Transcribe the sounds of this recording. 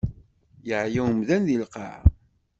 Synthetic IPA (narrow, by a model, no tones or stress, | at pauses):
jəʕjæwəmðænðilqɑ̰ʕ